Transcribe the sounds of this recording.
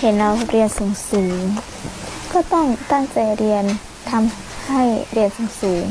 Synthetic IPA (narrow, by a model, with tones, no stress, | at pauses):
he˨˦nɾa˧wɾi˧˩ənsuː˨˩˦ŋsɯː˩˦ | kɔː˥˩t̪ɔ˥˩ŋt̪a˥˩ŋt͡ɕa˨˩jɾi˧ən | t̪ʰa˧m | ha˥˩jɾi˧˩ənsuː˨˩˦ŋsuː˩˦